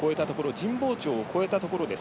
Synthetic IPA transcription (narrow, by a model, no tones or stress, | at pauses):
ko̞e̞t̪at̪o̞ko̞ɾo̞d͡ʑĩmbo̞ːt͡ɕo̞ːko̞e̞t̪at̪o̞ko̞ɾo̞d̪e̞s